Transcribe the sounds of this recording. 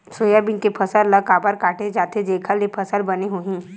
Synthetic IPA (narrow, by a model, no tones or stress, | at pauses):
soːjabɪnkepʰɐsəlləɡkaːbəɾkaːʈʰed͡ʒaːt̪ed͡ʒeːkʰəlepʰɐsəlbɐneɦuɦĩ